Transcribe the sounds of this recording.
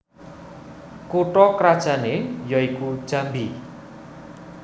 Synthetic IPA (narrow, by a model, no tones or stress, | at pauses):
kuʈɔkɾad̥ʒ̥a̤nejɔikud̥ʒ̥a̤mbi